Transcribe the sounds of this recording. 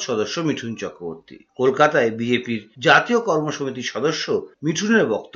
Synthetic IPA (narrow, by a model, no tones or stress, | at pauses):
ʃɔd̪oʃːomiʈʰunt͡ɕɔkɾobo̰ɾt̪ḭkolkat̪aebid͡ʑepiɾd͡ʑat̪iokɔɾmoʃomit̪iʃɔd̪oʃːomiʈʰuneɾbɔkt̪o